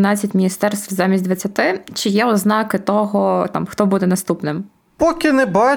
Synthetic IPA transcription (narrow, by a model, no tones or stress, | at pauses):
nɑt͡sʲːɐtʲmʲinʲist̪ɛrst̪ʋzɑmʲisʲd̪ʋɐt͡sʲːɐt̪ɪt͡ʃɪjɛɔznɑkɪt̪ɔɦɔt̪ɑ̰mxt̪ɔbud̪ɛnɐst̪upnɪm | pɔkʲɪnɛbɑ